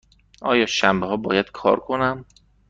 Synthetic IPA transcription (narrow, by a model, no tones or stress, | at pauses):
ʔɒ̰ːjɒːʃæmbeɦɒːbɒ̰ːjæd̪̥kʰɒ̰ːɾkʰonæm